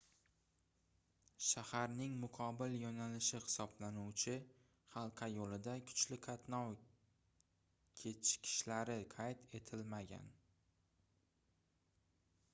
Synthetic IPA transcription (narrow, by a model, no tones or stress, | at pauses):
ʃahaɾnɪŋmʊqʰɒbɪljɒnalɪʃɪhɪ̥sɒblanuwt͡ʃʰɪ | χɑlˠqʰɑjolɪd̪akʰʊ̥t͡ʃlɪkʰat̪nɒw | kʲʰet͡ʃkʲʰɪ̥ʃlaɾɪqʰajt̪ʰe̞t̪ʰɪlmaɡʲa̰n